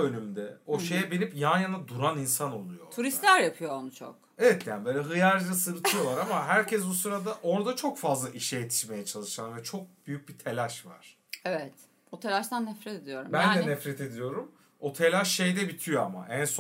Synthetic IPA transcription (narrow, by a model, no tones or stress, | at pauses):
ønymd̪ɛo̞ʃe̞jɛbinʲipjanjanad̪uɾaninsano̞lˠujo̞̰t̪ʰuɾist̪lʲæɾjapʰɯjoonut͡ʃʰo̰k | evɛt̪jaːnbøːlʲɛɦɯjaɾd͡ʒasɯɾɯt̪ʰɯjovˠaɾamaɦæɾcʰɛsbusuɾad̪aʔo̞ɾd̪at͡ʃʰo̞kfazlˠaʔiʃɛjet̪ʰi̥ʃme̞jɛt͡ʃʰalˠɯʃanvɛt͡ʃʰo̞k̚b̥yjyc̚bit̪ʰe̞lʲaʃva̰ɾ̥ | ɛvɛt̪ | but̪ʰelʲaʃt̪ʰanːɛfɾɛt̪ed̪ijo̞ɾumbænd̪ɛnɛfɾɛt̪ʰe̞d̪ijo̞ɾum | ot̪ʰe̞lʲaʃʃe̞jd̪ɛbit̪ʰijo̞a̰ma̰ʔæns